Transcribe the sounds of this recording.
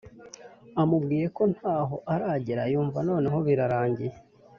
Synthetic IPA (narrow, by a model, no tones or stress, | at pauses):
amubɡiːje̞ko̞n̥haːɦo̞ʔaɾaːɟiɾajuːɱvano̞ːne̞ɦo̞βiɾaɾaːɲɟije